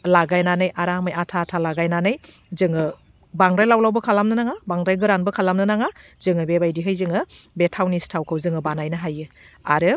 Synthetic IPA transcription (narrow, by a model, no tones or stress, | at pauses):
laɡajnanɯjʔaɾamɯjatʰatʰalaɡajnanɯj | zɯŋɯ | baŋɾajlawlawbɐkʰalamnɯnaŋabaŋɾajɡɯɾanbɯkʰalamnɯnaŋaz̥ɯŋɯbebajdiɦɯjzɯŋɯbetʰawnistʰawkʰɯwzɯŋɯbanajnɯɦajɯa̰ɾɯ